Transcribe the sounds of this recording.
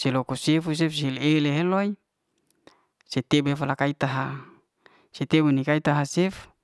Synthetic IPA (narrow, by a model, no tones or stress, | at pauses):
selokosefus̬efsileleɦeloi | set̪ebefalakait̪aɦa | set̪ebunikait̪aɦasef